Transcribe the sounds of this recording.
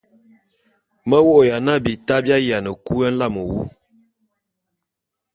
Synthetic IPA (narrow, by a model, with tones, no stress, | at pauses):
mə˦wo˦ʔja˨na˦bi˨ta˦bja˦ja˨nə˨ku˦ə˦n̩˦la˦˨mə˨wṵ˦